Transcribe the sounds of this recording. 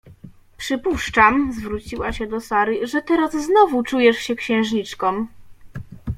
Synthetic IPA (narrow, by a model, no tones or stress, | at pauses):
pʂɘpuʂt͡ʂamzvɾut͡ɕiwaɕɛd̪ɔsaɾɘʐɛt̪ɛɾazːnɔvut͡ʂujɛʂɕɛkɕɛ̃w̃ʐɲit͡ʂkɔm